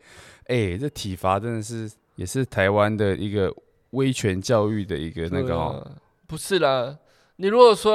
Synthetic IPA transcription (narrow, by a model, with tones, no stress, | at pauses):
ʔe˥˩ɪʈ͡ʂə˥˩t̪ʰi˨˩fa˧˥ʈ͡ʂə˥nd̪ə˨˩ʂɻ̩˥˩ | jɛ˨˩ʂɻ̩˥˩t̪ʰa˧˥ɪwa˦nd̪ə˨ʔi˧˥ɡə˨ | we˥ɪt͡ɕʰɥɛ˧˦nt͡ɕjɑ˥˧ʊy˥˩d̪ə˩i˧˥ɡə˨na˥˩ɡə˨˩ɔ̰˨˩ | pu˧˥ʂɻ̩˥˩la˨˩ | ni˨˩ɻu˧˥kwɔ˨˩swɔ˥